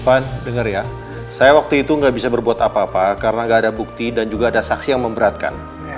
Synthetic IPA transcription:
pandəŋərja | sajawak̚t̪uit̪uŋɡaʔbisabərbuat̪apaːpakaɾənaŋɡaːdabuk̚t̪idand͡ʒuɡaːdasaksijaŋməmbəɾat̪̚ka̰n

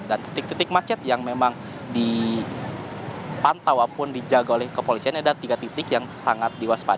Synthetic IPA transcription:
dant̪it̪ɪk̚t̪it̪ɪk̚mat͡ʃɛt̪̚jaŋmemaŋ | di | pant̪awapʊndid͡ʒaɡaolɛhkəpolisianadat̪iɡat̪it̪ɪkjaŋsa̰ŋat̪̚diwaspa̰

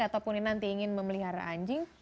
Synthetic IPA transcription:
at̪apʊninant̪iːŋɪnməməliɦaɾa̰ʔaɲd͡ʒɪŋ

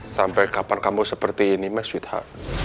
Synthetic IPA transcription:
sampɛjkapankamusəpərt̪iːnimɛswit̪ha̰

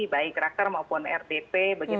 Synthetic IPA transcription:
ibaɪkːaɾak̚t̪ərmaupʊnɛ̰rdepebaɡi

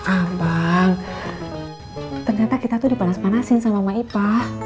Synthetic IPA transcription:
ʔabaŋ | t̪ərɲat̪akit̪at̪udipanasmanasɪŋsamamaipah

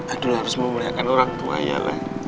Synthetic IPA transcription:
adulɦaɾʊsməmuliakanoɾaŋt̪ua̰ja̰la̰h

